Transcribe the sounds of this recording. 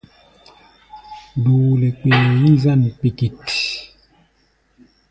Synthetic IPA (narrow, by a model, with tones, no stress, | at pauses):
duː˨le˨k͡peː˨ni˦za˦˨n˨pi˨ki˨t